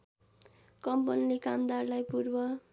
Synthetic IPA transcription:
kʌmpʌnilekamd̪arlajpurbʌ

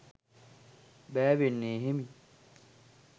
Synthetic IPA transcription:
bæːʋenːeːɦemi

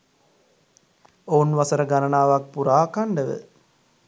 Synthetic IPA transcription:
ounʋɐsɐɾəɡanɐnaːʋak̚puɾaːkaɳɖəʋə̰

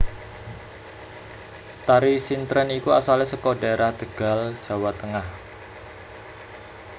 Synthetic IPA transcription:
t̪aɾisint̪ɾənikuasalɛhsəkɔdaeɾahd̪̥əɡ̥a̤l̥ʒ̥a̤wat̪əŋah

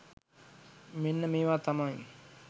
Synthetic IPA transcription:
menːəmeːʋaːt̪ɐmai

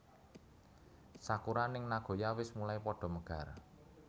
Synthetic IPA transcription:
sakuɾanɪŋnaɡ̥o̤jawɪsmulaipɔɖ̥ɔ̤məɡ̥a̤r

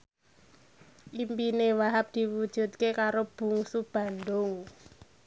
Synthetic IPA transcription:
ʔimpinewaɦap̚d̪̥i̤wud̥ʒ̥ṳt̪̚kekaɾob̥ṳŋsub̥a̤nd̪ʊŋ

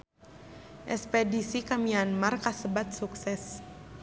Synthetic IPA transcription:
ʔɛspɛdisikamianmarkasəbat̪̚suksɛs

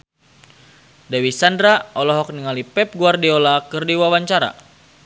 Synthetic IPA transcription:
dawisandɾaɔlɔɦɔk̚niŋalipɛp̚ɡuardiolakɨrdiwawaɲt͡ʃaɾa̰

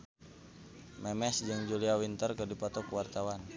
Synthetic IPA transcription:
mɛmɛsd͡ʒɨŋd͡ʒuliawint̪ərkərdipɔt̪ɔkuwart̪awan

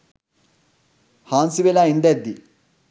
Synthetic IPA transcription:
haːnsibelaːind̪ɐd̪ːi

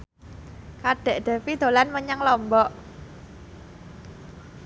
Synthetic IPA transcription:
kaɖ̥ɛ̤ʔd̪̥ɛ̤pid̪̥o̤lanməɲaŋlɔmbɔʔ

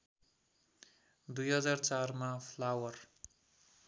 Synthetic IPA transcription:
d̪ujɦʌd͡zart͡sarmapʰlawʌr

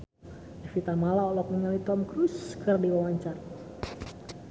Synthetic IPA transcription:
ifit̪amalaɔlɔk̚məŋalit̪ɔmkɾuskərdiwawaɲt͡ʃar

